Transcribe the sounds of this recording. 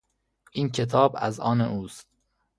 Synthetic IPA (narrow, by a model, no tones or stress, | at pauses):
ʔiːncʲʰe̞t̪ʰɒːbæ̰zɒːneʔuːst̪̚